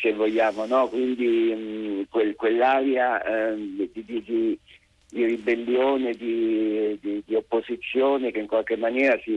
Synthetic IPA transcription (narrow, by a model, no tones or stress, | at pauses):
kevːoʎːaːmonɔkwind̪i | kwelkwelːaːɾja | d̪id̪id̪i | d̪iribelːjoːned̪id̪id̪iopːozit̪sːjoːnekeiŋkwalk̟emːanjɛːɾasi